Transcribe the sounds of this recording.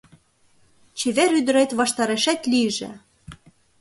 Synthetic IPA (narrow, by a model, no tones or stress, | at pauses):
t͡ɕeβeɾyd̪ə̆ɾet̪βɑʃt̪ɑɾeʃæt̪liʒḛ̆